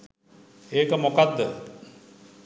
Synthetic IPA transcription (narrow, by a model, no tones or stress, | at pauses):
eːkəmokad̪ːə